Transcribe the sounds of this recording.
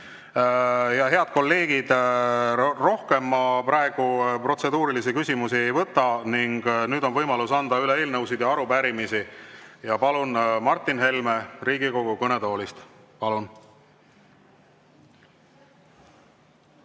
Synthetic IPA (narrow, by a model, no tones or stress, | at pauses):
jɑɦe̞ɑd̪̚ko̞lːe̞ːɡ̥id̪̥ | ro̞hke̞mːɑpɾɑeɡ̥upro̞t̪se̞d̪uːɾilisikysʲimusie̞jvɤt̪ˑːɑniŋɡ̥nyːd̪o̞nvɤjmɑlusɑnd̪ɑylee̞ːlnɤwsid̪̥jɑɑɾupæɾimisijɑpɑlunmɑrt̪ːˑinɦe̞lme̞riːɡiko̞ɡ̥ukɤne̞d̪o̞ːlist̪ | pɑlun